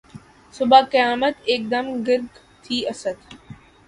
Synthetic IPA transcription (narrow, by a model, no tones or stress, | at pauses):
sʊbʱakijaːmət̪eːk̚d̪əmɡɪɾɡ | t̪ʰiːɐsət̪